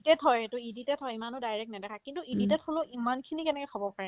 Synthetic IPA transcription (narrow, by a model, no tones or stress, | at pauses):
tɛtʰɔjetuiditɛtʰɔjimanʊdajɹɛk̚tnɛdɛkʰakintuiditɛtholʊʔimankʰinikɛnɛkɔkʰɔbɔpaɹɛ